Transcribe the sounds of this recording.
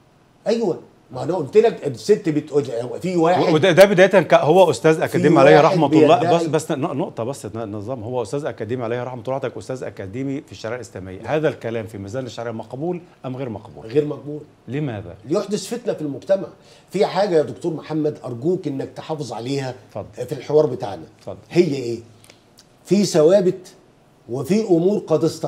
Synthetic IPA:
ʔæjwæ | mæʔænæʔolt̪elækset̪ːbet̪ʔod̪wfiwæːeed̪æd̪æbed̪æːjæt̪ænkæhowːæʔost̪æːzʔækæiːmiʕalæjhæɾˤɑħmɑt̪ˤːɑbæsbæsːnonoʔt̪ˤɑbæsːnnezˤːɑːmhowːæʔʊst̪æːzʔækæːd̪iːmiʕalæjhæɾˤɑħmɑt̪ˤlɑʕt̪ækʔʊst̪æːzʔæ̰kæd̪iːmifiʃːaʕeʕʔlʔeslæːmḛjːæ̰hæːðælkælæːmfimæzæːnæʃːaʕɾeʕmɑqbuːlʔæmɣeːɾmɑqbṵːlɣeːɾmæq̚buːl | lɪmæːðæ̰lijoħd̪osfet̪næfilmʊɡt̪æmaʕ | fiħaːɡæjæd̪ʊkt̪uːɾˤmoħamːæd̪ʔɑɾˤɡuːkʔɪnːæk̚t̪eħɑːfezˤʕaleːhæfɑd̪ˤːfilħewɑːɾˤbet̪a̰ʕnæfɑd̪ˤːɑhejːæʔeː | fiːsæwæːbɪt̪ | wefiːʔʊmuːɾqɑd̪est̪ɑ

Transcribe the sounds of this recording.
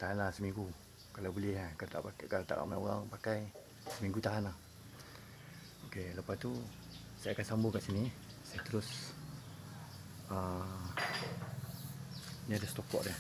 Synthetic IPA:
t̪aɦanlahsəmĩŋɡu | kalawbulɛhkat̪a̰ʔpakaɾat̪a̰ʔa̰ʔmaoɣaŋpakaj | səmĩŋɡut̪aɦanah | okeləpast̪u | sajakansambʊŋkaʔsinisajat̪əɾʊs | ə | əɲadəst̪okɔ̰ʔdɛh

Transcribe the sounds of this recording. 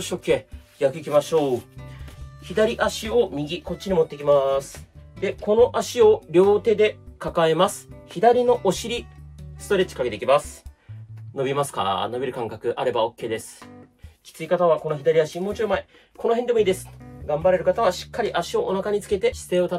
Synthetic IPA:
ɕoːkːe̞ːjakɯ̟ikʲimaɕo̞ː | çid̪aɾʲiʔaɕio̞mʲiɡʲiko̞t̚t͡ɕːiɲʲimot̪ːeikʲimasɨ̥d̪e̞ko̞no̞ʔaɕio̞ɾʲo̞ːt̪e̞d̪e̞kakae̞masɨ̥çid̪aɾʲino̞ʔoɕiɾʲisɨ̥t̪o̞ɾe̞t͡ɕi̥kakeeikʲimasɨ̥ | no̞bʲimasɨ̥ka̰no̞bʲiɾɯ̟kãŋkakɯ̟ʔaɾe̞bao̞kːe̞ːd̪e̞sɨ̥ | kʲi̥t͡sɨikat̪aβ̞ako̞no̞çʲid̪aɾʲiaɕimo̞ːt͡ɕiɾomae | ko̞no̞ɦe̞nd̪e̞mo̞iːd̪e̞sɨ̥ɡãmbaɾe̞ɾɯ̟kat̪aβ̞aɕi̥kːaɾʲiʔaɕio̞ʔonakaɲ̟it͡sɨ̥ke̞t̪e̞ɕi̥seːot̪a

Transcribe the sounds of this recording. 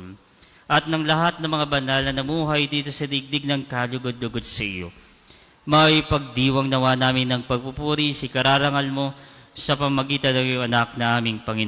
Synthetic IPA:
ʔɐt̪̚nɐŋlɐɦat̪̚nɐmɐŋabɐnalnɐnɐmuːɦɐjd̪iːt̪o̞sɐd̪iɡ̚d̪ɪɡ̚nɐŋkaːlʊɡod̪̚lʊɡo̞d̪̚sɐʔɪ̰jo̞̰ | mɐjpɐɡ̚d̪iːwɐŋnɐwanaːmɪnːɐŋpɐɡ̚pupuːɾisikɐɾaːɾɐŋalmo̞sɐpɐmmɐɡiːt̪ɐnːɐŋjoŋɐnak̚nɐʔaːmɪŋpɐŋɪn

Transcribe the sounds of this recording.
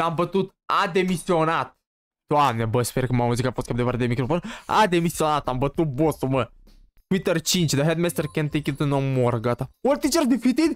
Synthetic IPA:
lambət̪ut̪ | ad̪emisionat̪̚ | t̪uamnʲɛbəsfeɾkəmamuzikafoskʲamd̪evaɾad̪emikɾofona̰d̪emisionat̪ambət̪ut̪̚bosumə | t̪wit̪ərt͡ʃinʲt͡ʃd̪aɦɛd̪mɛst̪erkʲɛnt̪ekʲit̪ɨnomoɾɡat̪awɔɾt̪it͡ʃəɾd̪ifit̪id̪

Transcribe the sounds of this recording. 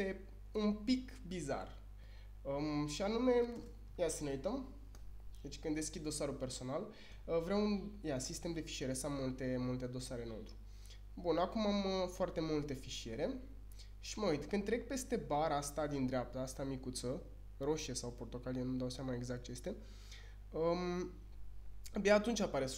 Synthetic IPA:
e̞ | unpik | biza̰r | əʃianume̞ | jasəneujt̪əm | d̪et͡ʃʲkɨnd̪e̞skʲid̪ːo̞saɾupe̞rso̞nal | əvɾeaunjasist̪e̞md̪e̞fi̥ʃie̞ɾesamːult̪e̞mult̪e̞d̪o̞saɾe̞no̞t̪ɾu̥ | bunakumaməfoart̪e̞mult̪e̞fiʃie̞ɾe̞ | ʃiməujt̪kɨnd̪̚t̪ɾe̞k̚pe̞st̪e̞baɾəast̪ad̪ind̪ɾeap̚t̪əast̪amikut̪sə | ro̞ʃiesawport̪o̞kalijenud̪awseamaeɡzak̚t̪t͡ʃeest̪e̞ | ə | beaːt̪unt͡ʃʲapaɾe̞

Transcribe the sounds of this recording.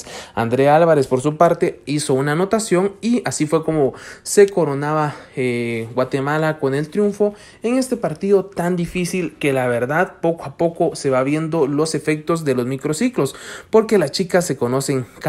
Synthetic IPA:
a̰nd̪ɾe̞alβaɾe̞spo̞ɾsupaɾt̪e̞iso̞unano̞t̪asjo̞ŋiasifwe̞ko̞mo̞se̞ko̞ɾo̞naβaeɡwat̪e̞malako̞ne̞lt̪ɾjuɱfo̞ | e̞ŋe̞st̪e̞paɾt̪iðo̞t̪and̪ifisilke̞laβe̞ɾðaðpo̞koapo̞ko̞se̞βaβje̞nd̪o̞lo̞se̞fe̞k̚t̪o̞zd̪e̞lo̞zmikɾo̞siklo̞spo̞ɾke̞last͡ʃikasːe̞ko̞no̞se̞ŋk

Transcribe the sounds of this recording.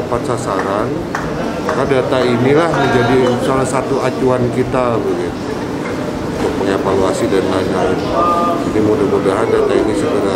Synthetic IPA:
pat̪sasaɾan | makadat̪ainilahməɲd͡ʒadisalahsat̪uat͡ʃuankit̪abəɡit̪u | unt̪ʊk̚məŋevaluasidanlanand͡ʒinimudamudaɦandat̪ainisəɡəɾa

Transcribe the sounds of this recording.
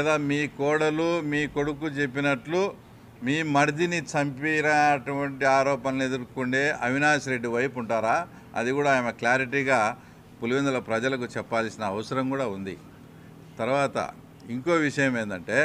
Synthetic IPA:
lɛːd̪aːmiːkɔːɽɐlumiːko̞ɽukut͡ʃe̞pːinɐʈlu | miːmɐɾid̪init͡ʃɐmpiɾɐɐʈuʋɐɳʈiaːɾɔːpɐnɐled̪uɾkuɳɖeːʔɐʋinaːsɾe̞ɖːiʋɐjpuɳʈaːɾaː | ɐ̰d̪ikuːɽaːjmɐkljaːɾiʈ̬iːɡaː | puluʋind̪ɐlɐpɾɐd͡ʒɐlɐkut͡ʃɛpːaːlsinɐːʋɐsɐɾɐmkuːɽaːund̪ḭ | t̪ɐɾuʋaːt̪ɐ̰ | iŋko̞ːʋiʂɐjɐme̞ːnd̪ɐɳʈe̞ː

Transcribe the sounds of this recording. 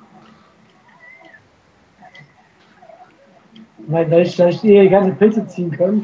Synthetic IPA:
naɪndaːɪçflaɪɪçteːɐdiɡansəpʰɪt͡sət͡siːənkʰan

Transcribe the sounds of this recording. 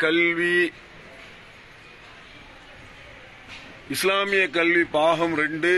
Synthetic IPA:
kɐlʋi | ɪslaːmɪjɐkːɐlʋipaːɣɐmɾɛɳɖɯ

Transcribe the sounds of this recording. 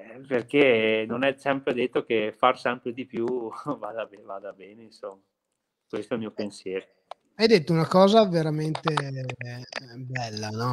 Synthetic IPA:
perkenonɛsɛmpɾed̪et̪ːokefarsɛmpɾed̪ipjuvaːd̪abevaːd̪abɛːneinsomːa | kwest̪oɛlmijopensjɛːɾo | ajd̪et̪ːounakɔːzaveɾament̪e | bɛlːanɔ

